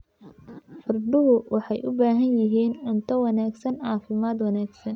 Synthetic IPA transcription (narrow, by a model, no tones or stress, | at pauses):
ħʊrd̪ʊɦʊwʔɑħɑjʔʊbaːɦɐnjɪɦiːnʕʊnt̪ʰɐwɑnaːɡsɐnʕɑːfɪmaːd̪wɑnaːɡsɐn